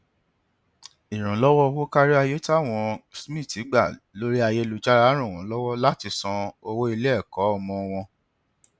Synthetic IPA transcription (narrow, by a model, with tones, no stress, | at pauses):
i˨ɾ̃ũ˨˦lɔ˦wɔ˦wo˦ka˦ɾi˦a˧je˦ta˦˨w̃ɔ̃˧smĩ˦˨ti˨˦ɡ͡ba˦˨ | lo˦ɾi˦a˧je˦˧lu˧d͡ʒa˦ɾa˨˦ɾ̃ũ˦˨ɔ̃˨˦lɔ˦wɔ˦la˦ti˧sɔ̃˧o˧wo˦i˧le˦ɛ˦˨kɔ˨˦ɔ˧mɔ̃˧w̃ɔ̃˧